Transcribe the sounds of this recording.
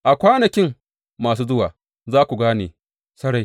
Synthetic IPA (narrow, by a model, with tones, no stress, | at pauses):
ʔa˨kʷaː˦nɐ˨kʲɪ˦ŋ | mːaː˨s̬uː˦zʊ˦waː˨ | zaː˦kʷu˨ɡaː˦neː˨ | sɐ˦ɽa˨j